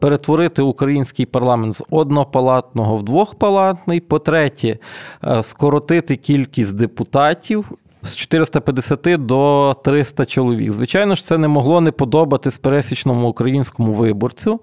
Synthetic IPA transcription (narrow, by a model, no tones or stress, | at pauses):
peɾet̪ʋɔɾɪt̪ɪukɾɐjinʲsʲkɪjpɐrlˠɑment̪zɔd̪nɔɔpɐlˠɑt̪nɔɦɔwd̪ʋɔxpɐlˠɑt̪nɪjpɔt̪ɾɛtʲɛ | skɔɾɔt̪ɪt̪ɪkʲilʲkʲisʲtʲd̪epʊt̪ɑtʲiw | st͡ʃɔ̥t̪ɪɾɪst̪ɐpʲjɐd̪esʲɐt̪ɪd̪ɔt̪ɾɪst̪ɐt͡ʃɔlˠɔʋʲḭɡzʋɪt͡ʃɑjnɔʃt̪sɛnemɔɦlˠɔnepɔd̪ɔbɐt̪ɪsʲpeɾɛsʲit͡ʃnɔmʊːkɾɐjinʲsʲkɔmʊʋɪbɔrt͡sʲʊ